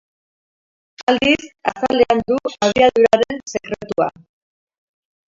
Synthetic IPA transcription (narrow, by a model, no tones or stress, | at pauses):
ald̪isasaleand̪uaðiaðuɾaɾe̞nse̞kɾe̞t̪ua̰